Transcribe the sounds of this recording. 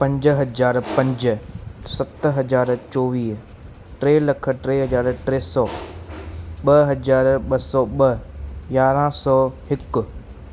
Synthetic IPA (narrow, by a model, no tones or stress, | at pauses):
pɐ̃ɲd͡ʒɦɐd͡ʒaːɾpɐ̃ɲd͡ʒ̆sɐt̪ɦɐd͡ʒaːɾt͡ʃoːʋiːɦ | ʈɾeːlɐkʰə̆ʈɾeːɦɐd͡ʑaːɾʈɾeːsɔː | ɓɐɦɐzaːɾɓɐsɔːɓɐjaːɾãsɔːhɪkʊ̆